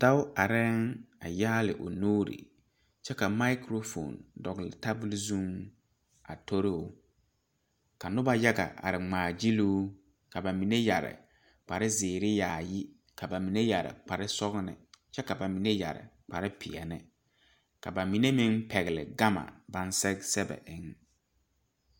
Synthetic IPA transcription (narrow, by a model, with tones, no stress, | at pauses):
d̥a˦wa˨ɾɛ˦ŋa˨jaː˦lɪ̰˨ʔo˨nuː˦ɾḭ˨ | t͡ʃɛ˦ka˨ma˦kɾo˦fo̰˨ndɔ˨ɣɪ˨lɪ˨ta˦bu˦lzu˦ŋ | a̰˨tʰo˦ɾɪ˦ʊ˨ | ka˨nʊ˦ba˦ja˦ɡa̰˨ʔa̰˨ɾɪ˨ŋ͡maː˨d͡ʒi˦lu˦ | ka˨ba˨mi˨ne˦ja˨ɾɪ̰˨ | k͡pa˨ɾɪ˦zɪː˨ɾɪ˦jaː˨ji˦ | ka˨ba˨mi˨ne˦ja˨ɾɪ̰˨k͡pa˨ɾɪ˦sɔ˦ɣnɪ̰˨t͡ʃɛ˦ka˨ba˨mi˨ne˦ja̰˨ɾɪ̰˨ | k͡pa˨ɾɪ˦pʰi˨a˨nɪ̰˦ | ka˨ba˨mi˨ne˦mɪ˦ŋpɛ˨ɣɪ˨lɪ̰˨ɡa˦ma̰˨ba˦n˦sɛ˦sɛ˦bɛ̰˨ʔɪ˨˦ŋ